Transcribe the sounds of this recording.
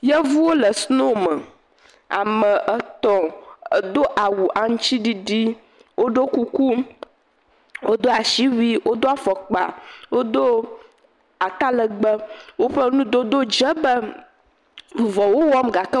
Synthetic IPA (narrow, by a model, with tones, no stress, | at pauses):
jə˦vu˦wo˦lə˨snõ˦mə˨ | a̰˨mə˨ʔə˦t̪ɔ̃˨˦d̪o˦ʔa˨wu˨ʔa˨ŋ̩˦t͡ʃi˦ɖi˦ɖi˦ | wo˦ɖo˦ku˦ku˦ | wʔo˦d̪o˦a˨ʃi˦wi˦wʔo˦d̪o˦a˨fɔ˨k͡pa̰˨wo˦d̪o˦ | a˨ka˦lə˨ɡ͡bə˦wo˦ɸə˦nũ˦d̪o˦d̪o˦d͡ʒə˦bə˦˨ | vɔ˨wo˦wɔ˦mɡa˨kə˦